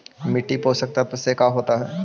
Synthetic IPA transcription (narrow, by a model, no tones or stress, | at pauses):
mɪʈːipoːsɐk̚t̪aɦɛt̪osekaɦoːt̪aɦɛː